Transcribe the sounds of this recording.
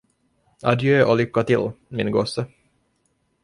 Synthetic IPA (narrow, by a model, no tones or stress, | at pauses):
a̰d̪jøːʔɔlʏkːat̪ɪlːmɪnɡosːə